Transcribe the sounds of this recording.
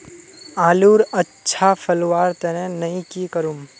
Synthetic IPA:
aːluːɾɐtːʃʰafʰɐlwaːɾt̪ɛnẽnɐĩkikəɾum

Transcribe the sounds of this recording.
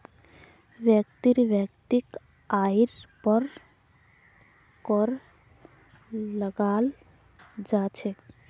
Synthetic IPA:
ʋjəkt̪iɾʋjəkt̪ik | aiɾpɔɾ | kɔɾ | əɡaːl | d͡ʒaːt͡ʃʰe

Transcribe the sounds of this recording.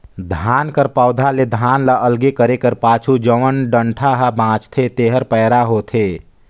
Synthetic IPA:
d̪ʱaːnkəɾpaːʊd̪ʱaled̪ʱaːnləʔəlɡekəɾekəɾpaːt͡ʃʰud͡ʒəʋənɖə̃ɳʈʰaɦəbãːt͡ʃt̪ʰet̪eːɦəɾpəːɾaɦoːt̪ʰeː

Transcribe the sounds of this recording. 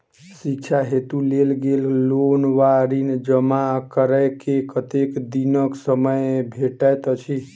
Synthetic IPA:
sikt͡ʃʰaɦet̪ulelɡellonʋaɾind͡ʒəmakəɾəjkekət̪ekd̪inəksəməjbʱeʈəjt̪ət͡ʃʰi

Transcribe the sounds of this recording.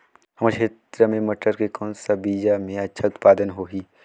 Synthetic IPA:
hɐmaɾkʰeːt̪ɾəmẽmɐʈːəɾkekɔːnsabiːd͡ʒamẽɐtːʃʰaʊt̪paːd̪ənɦoːɦiː

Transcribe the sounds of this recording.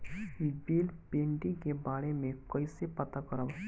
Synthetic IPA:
ibiːlpeɳʈikebaːɽemẽkəisepɐt̪akəɾəb

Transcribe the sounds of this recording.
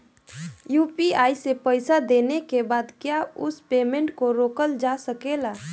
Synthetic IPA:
juːpiaːisepəɪsad̪enekebaːd̪kjaʊspeːmẽɳʈkoɾoːkəld͡ʒasəkela

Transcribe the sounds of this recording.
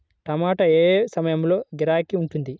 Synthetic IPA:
ʈ̪ɐmaːʈɐeːsɐmɐjɐmlo̞ːɡiɾaːkiuɳʈund̪i

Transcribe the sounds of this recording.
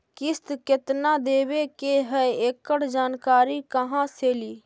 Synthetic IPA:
kɪst̪kɪt̪naːd̪eːʋekeɦɛeːkːəɽd͡ʒaːnkaːɾikəɦãseːliː

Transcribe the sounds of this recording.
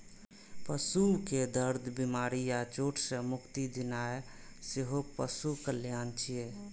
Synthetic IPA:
pəsuked̪əɾd̪ʱbimaɾijat͡ʃoʈʰsə̃mʊkt̪id̪inae | seɦopəsukəljant͡ʃʰije

